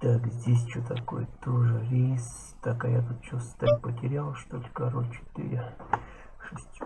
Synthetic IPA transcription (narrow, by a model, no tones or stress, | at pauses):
t̪akzʲdʲesʲt͡ɕot̪ako̰jt̪oʐɨɾʲes | t̪akajat̪ut̪t͡ʃost̪aɾʲpətʲɪɾʲalˠʂt̪olʲkaɾolʲt͡ʃɪ̥t̪ɨ̰ɾʲɪ | ʂɨsʲtʲ